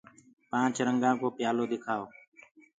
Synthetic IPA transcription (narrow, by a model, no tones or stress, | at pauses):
pãːt͡ʃɾəŋɡãːkoːpjaːloːd̪ɪkʰaːoː